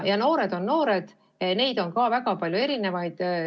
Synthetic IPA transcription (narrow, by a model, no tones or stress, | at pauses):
jɑno̞ːɾe̞d̪̥o̞nno̞ːɾed̪̥ | ne̞jd̪̥o̞nkɑvæɡ̥ɑpɑljue̞ɾine̞vɑjd̪̥